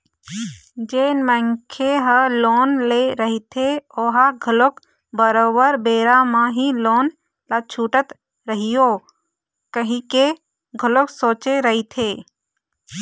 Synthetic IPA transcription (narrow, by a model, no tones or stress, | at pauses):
d͡ʒeːnmə̃ŋkʰeɦəloːnleɾəɦit̪ʰeoːɦaɡʱəlok | bəɾoːbəɾbeːɾamãɦiloːn | lat͡ʃʰuːʈət̪ | ɾəɦijo | kəɦĩke | ɡʱəloksoːt͡ʃeɾəɦit̪ʰeː